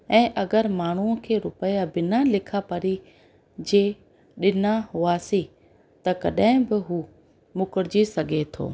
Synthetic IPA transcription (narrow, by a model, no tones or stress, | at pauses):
ɛ̃ːʔɐɡəɾmaːɳ̤uəkʰeːɾʊpəjabɪnalɪkʰapɐɾi | d͡ʑeː | ɗɪnaɦʊaːsi | t̪ɐkɐɗɦɪ̃bɪɦuː | mʊkəɽɪd͡ʑisɐɡʱet̪ʰo̰ː